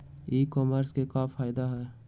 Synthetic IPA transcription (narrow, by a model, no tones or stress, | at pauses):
iːkɔːməɾskekaːfʰaːjd̪aɦɛː